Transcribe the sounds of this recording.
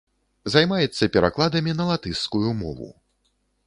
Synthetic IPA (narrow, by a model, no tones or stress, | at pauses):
zajmajɛt̪sːɐpʲɛɾa̰klˠad̪ɐmʲinɐlˠat̪ɨskujumɔ̰vṵ